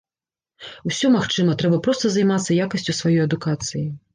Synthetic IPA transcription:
wsʲɔmaxt͡ʂɨmɐt̪ɾɛbɐpɾɔst̪ɐzajmat̪sːɐjakɐsʲt͡sʲusvajɔjɐd̪ukat̪sɨji

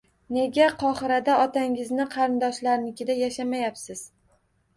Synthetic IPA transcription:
ne̞ɡʲaqʰɒχɨɾad̪aɒt̪ʰaŋɪznɪqʰɑɾɪnd̪ɒʃlaɾnɪkʲɪd̪ajaʃamajapsɪz̥

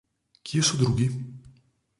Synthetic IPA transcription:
cʲiesud̪ɾuɡi

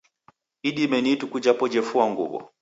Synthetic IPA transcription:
iɗimɛnitukud͡ʒapɔd͡ʒɛfuaŋɡṵbɔ̰

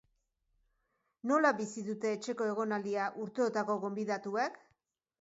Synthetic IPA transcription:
no̞laβisiðut̪e̞ːt͡ʃe̞ko̞e̞ɣ̞o̞nald̪iaʔuɾt̪eo̞t̪ako̞ɣo̞mbiðat̪uek

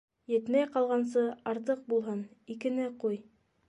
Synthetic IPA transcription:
jɘ̆t̪mæjqɑlˠʁɑns̬ɤɑɾt̪̬ɤq̚bulˠɦɤnikɘ̆nɘquj

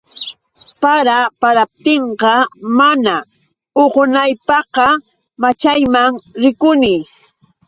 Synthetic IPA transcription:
paɾapaɾap̚t̪eɴqɑmana | oɢʊnajpɑqɑ | mat͡ʃajmaŋɾɪkʊnɪ

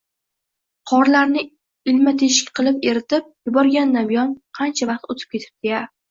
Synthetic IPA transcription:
qʰɒɾlaɾnɪ | ɪlmat̪ʰeʃɪ̥kʲqʰɨlˠɪpe̞ɾɪt̪ʰɪp̚jʊbɒɾɡʲand̪anbɪjɒnqʰɑnt͡ʃʰavɑqt̪ot̪ʰɪ̥p̚kʲe̞t̪ʰɪ̥p̚d̪ɪɡʲa

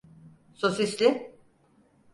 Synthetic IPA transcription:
sosislʲɪ

